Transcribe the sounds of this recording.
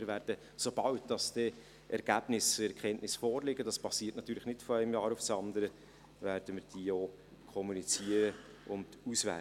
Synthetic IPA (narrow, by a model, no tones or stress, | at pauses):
ɪɾvæːɾd̥ə | sob̥ɑwtd̥ɑsd̥ɛ | ʔɛɾɡ̥æːb̥nɪsɛɾkʰɛnʔnɪsfɔːɾlɪɡəd̥ɑspɑsiːtnɑt̪ːyːɾləχnɪtfɔæɪmjɑːɾʊfsɑnd̪əɾə | væːɾd̥əmɪɾd̥iːoː | kʰɔmunit͡siəɾə | ʔʊnd̥usvæ̰